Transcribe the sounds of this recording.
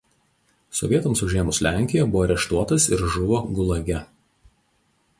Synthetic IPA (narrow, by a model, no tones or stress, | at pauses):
sɔ̰ʋʲiɛt̪ɐmsʊʒʲiɛmʊslʲæˑŋʲkʲɪjɛbʊʋoːɾʲɛʃt̪uɔt̪ɐsɪɾʒʊʋoːɡʊlˠɐɡʲɛ